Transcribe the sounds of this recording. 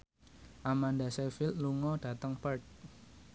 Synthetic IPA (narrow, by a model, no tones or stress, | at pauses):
ʔamandasɛfilt̪̚luŋɔɖ̥ä̤t̪əŋpərt̚